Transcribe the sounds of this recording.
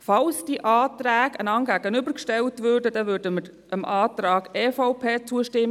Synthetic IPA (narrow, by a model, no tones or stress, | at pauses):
fɑlsd̥iəʔɑːtɾæːɡənɑŋɡ̥æːɡənʏbəɾkʃtɛltvøːrdədɛʋøːɾdəməɾ | əmʔɑːtɾɑːɡ̥ɛːfaʊpʰeːt͡suəʃtɪmː